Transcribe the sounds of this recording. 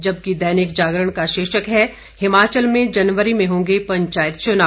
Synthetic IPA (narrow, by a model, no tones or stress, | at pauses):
d͡ʒɐb̚kid̪ɛːnɪkd͡ʒaːɡɾəɽ̃kaʃeːʃəkɦɛ | hɪmaːt͡ʃəlmẽd͡ʒɐnʋəɾimẽɦõːŋɡepɐ̃ɲt͡ʃaːjət̪t͡ʃʊnaː